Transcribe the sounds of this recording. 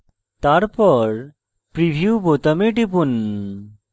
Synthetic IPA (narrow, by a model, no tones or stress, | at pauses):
t̪aɾpɔɾ | pɾibʱiubot̪ameʈipun